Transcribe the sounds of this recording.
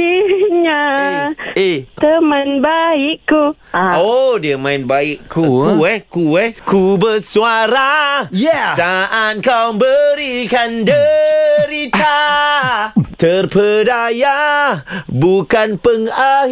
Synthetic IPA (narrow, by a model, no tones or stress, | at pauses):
iɲa | et̪əmənbaiʔkːu | odiəmãinbaiʔkukuɛkuɛkubərsuaɾajsaʔat̪̚kawbəɾikandəɾit̪a | t̪ərpʰədaja | bukanpəŋa